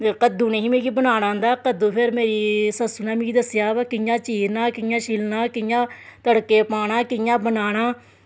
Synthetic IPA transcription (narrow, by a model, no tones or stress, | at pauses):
kəd̪uːneɦĩːmeːɡiːbənaːñãːnd̪aːkəd̪uːpʰɪɾmeːɾiːsəsʊnaːmĩːɡiːd̪əsjaːʋkɪjãːt͡ʃiːɾnãːkɪjãːʃiːlnãːkɪjãː | t̪əɽkːeːpaːɽ̃ãːkɪjãːbənaːɽ̃aː